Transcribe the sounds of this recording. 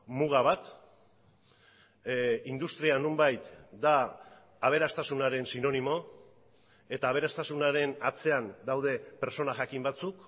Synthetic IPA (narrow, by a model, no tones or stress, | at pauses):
muɣ̞aβ̞at̪ | ind̪ust̪ɾianumbajt̪d̪aː | β̞e̞ɾast̪asunaɾe̞nsino̞nimo̞ | e̞t̪aːβ̞e̞ɾast̪asunaɾe̞nat͡se̞and̪awð̞e̞pe̞ɾt͡so̞naʝakimbat͡suk